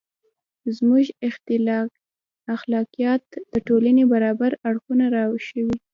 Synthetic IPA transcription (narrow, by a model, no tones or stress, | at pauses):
zmuʒɪxt̪ɪl | axlɑkijɑt̪̚d̪̥əʈolanebaɾɑbaɾaɽxunaɾɑwʃəwi